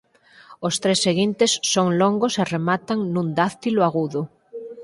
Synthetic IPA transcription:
ost̪ɾesːeɣint̪esːoŋloŋɡoseremat̪aŋnũnd̪aθt̪ilwaɣuðʊ

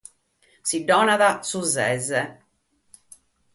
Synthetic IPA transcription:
siɖɔːnaðasuzɛzɛ

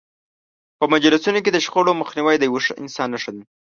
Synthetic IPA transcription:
pəmad͡ʒɾɪsunok̬ed̪əʃxoɽoməxniwəjd̪əjwoʂəɪ̰nsɑnːaʂənə

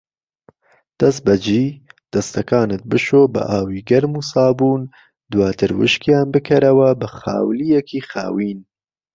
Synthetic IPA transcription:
d̪̥ɐst̪̚bɐd͡ʒiːd̪̥ɐst̪ɐkɑːnɨt̪̚bɨʃoːbɨ̰ʔaːwiːɡɐɾmuːsɑːbuːn | d̪wɑːt̪ʰɨɾwɨ̰ʃkijɑːnbɨkʰɐɾɐwɐbɨxa̰ːwlijɛkʰiːxɑ̰ːwiːn

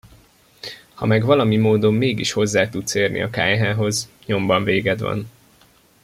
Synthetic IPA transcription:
hɒ̰mɛɡvɒlɒmimoːd̪o̞mːeːɡiʃho̞zːaːt̪ut̪seːrnḭɒka̰ːjɦaːɦo̞z | ɲo̞mbɒɱveːɡɛd̪ʋɒ̰n

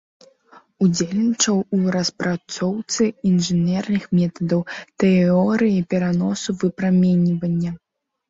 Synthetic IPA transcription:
ud͡zʲelʲnʲit͡ʂɐwuɾɐspɾat̪sɔwt̪sɨinʐɨnʲɛrnɨxmʲɛt̪ɐd̪ɐwt̪ɛɔɾɨjipʲɛɾanɔsuvɨpɾamʲɛnʲivɐnʲːɐ

